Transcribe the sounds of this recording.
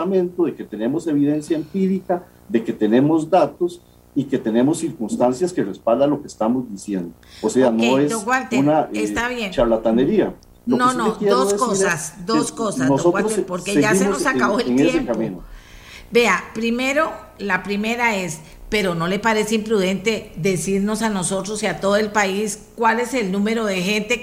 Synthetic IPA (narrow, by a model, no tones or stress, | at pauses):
amẽ̞nt̪oðeket̪ene̞mose̞βiðe̞nsjaempiɾika | ðe̞ket̪e̞nemo̞zd̪at̪os | ike̞t̪ene̞mosːiɾkunst̪ansjaskerespald̪alo̞kest̪amozd̪isjend̪ooseanoesd̪oɣwalt̪enaest̪aβjent͡ʃaβlat̪aneɾia | lononoekjed̪ooekosasd̪osko̞sasnoooɣwalɾoepo̞ɾkeʝasenossaaβoeleŋejeemkamĩno | be̞apɾime̞ɾo̞ | lapɾime̞ɾaes | pe̞ɾo̞no̞le̞paɾe̞seimpɾuðe̞nt̪e̞ðe̞siɾno̞sano̞so̞t̪ɾo̞siat̪o̞ðoe̞lpaiskwale̞se̞lnũme̞ɾo̞ðe̞xe̞nt̪e̞